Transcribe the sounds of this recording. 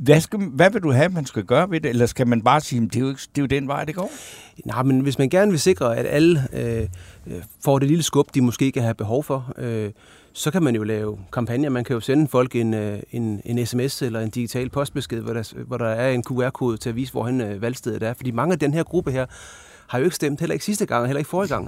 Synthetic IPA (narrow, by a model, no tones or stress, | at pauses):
ʋæsɡ̥æʋæʋe̝duɦæmænsɡ̥æɡ̥ɶːɐʋe̝d̥e̝elɐsɡ̥æmænb̥ɑ̈ːsiːm̩d̥e̝joeɡ̥d̥e̝jod̥enʋɑ̈ɪ̰d̥eɡ̥ɒ̰ːnʔɑ̈ɪmenʋe̝s̬mænɡ̥æɐnəʋe̝se̝ɡ̥ʁɐæd̥ælə | fɒ̰ːde̝liləsɡ̥ɔ̽b̥d̥imɒ̽sɡ̥e̝̰ːkʰæɦæb̥eɦɒʊfɒ̽ø | sɒ̽kʰæmænjo̝lɛːʊkʰɑ̈mpʰænjɐmænkʰæjo̝senəfɒ̽l̰ɡ̥e̝nøe̝ne̝nesemeselɐe̝nd̥iɡ̥it͡sʰɛ̰ːl̚pʰɒ̽sd̥̚b̥e̝sɡ̥e̝ð̞̰ˠɒɾæʋɒɾ̥ɑ̈æɐe̝nkʰuæɐ̰kʰo̝ːð̞̩ˠt͡sʰe̝æʋḭːs̬əʋɒ̰hænøʋælsd̥ɛð̞̩ˠd̥æɐfɒ̽d̥ḭːmɑ̈ŋəæd̥enɦeɐɡ̥ʁub̥əɦeɐ̰ | hɑ̈jo̝e̝ɡ̥sd̥em̰d̥helɐe̝ɡ̥sisd̥əɡ̥ɑ̈ŋ̰ɦelɐe̝ɡ̥fɒːɡ̥ɑ̈ŋ̰